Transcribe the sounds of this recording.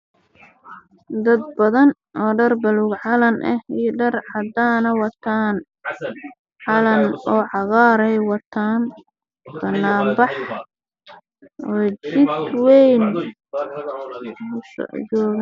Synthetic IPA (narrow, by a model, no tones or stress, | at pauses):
d̪ɐd̪̚bɐðɐn | ʔɔːɖɐrbɐluɡʕɑlɐnʔɛijɖɐrʕɑd̪aːnɐwɑt̪ʰaːn | ʕɑlɐnɔːʕɑɣɑːɾɛjwɑt̪ʰaːn | b̥ɐnːaːmbɑħ | ɔːt͡ʃɪd̪wɛjn | st͡ʃɔːɣ